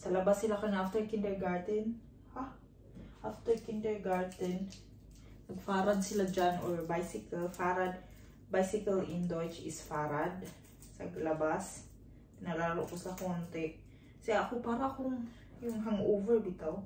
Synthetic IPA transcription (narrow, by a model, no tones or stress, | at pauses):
sɐlɐbasːɪlakɐŋʔaft̪ɛɹkɪnd̪ɛɹɡaɹd̪ɛn | ha | ʔaft̪ɛɹkɪnd̪ɛɹɡaɹd̪ɛn | nɐɡfaːɾɐd̪̚sɪlad͡ʒanʔoɹbajsɪkalfaːɾad̪̚ | bajsɪkɐlɪnd̪ot͡ʃɪsfaːɾad̪̚ | sɐ̰ɡlɐbas | p̪ɪnɐlaːɾoʔkossakont̪ɛʔ | sɛʔɐkopaːɾɐkʊŋ | jʊŋɦɐŋʔoːvɛɹbɪt̪o